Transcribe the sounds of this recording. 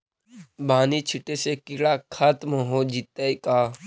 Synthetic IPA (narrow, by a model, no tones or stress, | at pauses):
baːnit͡ʃʰɪʈesekiɽakʰat̪məɦod͡ʒɪt̪ːəjkaː